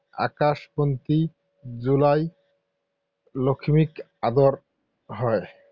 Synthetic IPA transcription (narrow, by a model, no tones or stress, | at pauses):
a̰kaʃpont̪i | d͡ʑulaj | lokʰimik | ad̪oɾ | ɦɔe